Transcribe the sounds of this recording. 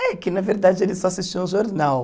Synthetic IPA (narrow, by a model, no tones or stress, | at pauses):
ɛkɪnɐveɾd̪ad͡ʒɪelɪsɔɐsist͡ʃĩũʒoɾnaw